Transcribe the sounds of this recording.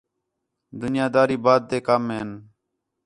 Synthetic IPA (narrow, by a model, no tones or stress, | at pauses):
d̪ʊnɪjaːd̪aːɾiːbaːd̪̚t̪eːkaːmeːn